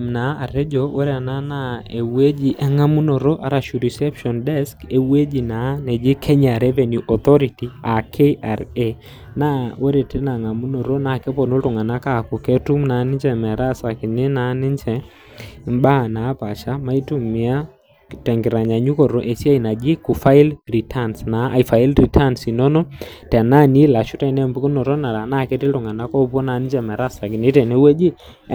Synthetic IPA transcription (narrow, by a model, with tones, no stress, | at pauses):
mna˨˦a˨ɾe˦d͡ʒo˨o˦ɾa˨na˦na˦e˨we˦d͡ʒi˨ʔɛ˦ŋa˦mu˦no˨ɾo˦ʔa˨ɾa˨ʃu˨ɾi˨sɛ˦pʃɔ˨ndɛ˦ske˨we˦d͡ʒi˨na˨˦nɛ˨d͡ʒɪ˦kʰɛ˦ɲa˨ɾɛ˦ve˨nju˨ʔɔ˨t̪ɔ˦ɾi˨ti˨a˨kʰe˦ʔa˨ɾe˦˨ | na˦o˦ɾe˨te˦na˨ŋa˨mu˦no˨ɾo˦na˨ke˦pɔ˨no˦tʊ˨ŋa˨na˦ka˨kʊ˨kɛ˦tu˦mna˨˦nɪ˦t͡ʃɛ˨mɛ˨ɾa˦sa˨kɪ˨ɲɪ˦na˦nɪ˦ɲt͡ʃɛ˨˦ | m˦ba˦˨na˨˦pa˨ʃa˦ma˦i˦tu˦mɪ˨a˦ | tɛ˨ŋɡɪ˨ɾa˨ɲa˨ɲu˦kɔ˨ɾo˦ʔe˨si˦a˦i˨na˨d͡ʒɪ˦kʊ˨fa˦ɪ˦lri˨tʰa˦nsna˨˦a̰˨i˨fa˨i˦lɾi˨ta˦nsi˨nɔ˦nɔ˦tɛ˨na˦ni˦la˨ʃʊ˦tɛ˦˨nɛ˦˨mbu˦ku˦nɔ˨ɾɔ˦na˨ɾa˨na˦˨kɛ˦tɪ˦ltʊ˨ŋa˨na˦kɔ˦pɔ˦na˨˦nɪ˦ɲd͡ʒɛ˨mɛ˨ɾa˦˨sa˨kɪ˨nɪ˦tɛ˨nɛ˦wɛ˦d͡ʒɪ˦